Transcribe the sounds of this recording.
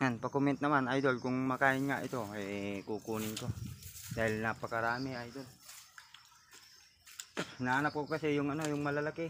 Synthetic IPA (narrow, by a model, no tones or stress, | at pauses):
ŋanpakomɛnt̪̚namanajd̪olkʊŋmakaɪnŋaʔḭt̪oɛkukunɪŋk̪od̥̪aɦɪlnapakaɾamiajd̪ol | naːnap̚kokasɛjʊŋanojʊŋmalalaki